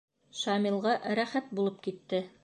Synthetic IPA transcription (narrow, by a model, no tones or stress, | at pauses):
ʃɑmilˠʁɑɾæχæt̪̚bulˠɤp̚kit̪ːɘ